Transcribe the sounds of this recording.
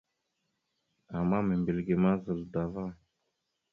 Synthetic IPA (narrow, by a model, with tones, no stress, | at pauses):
a˨mːa˦mə˨mbe˨lɡe˨ma˦zə˨lda˨va˦˨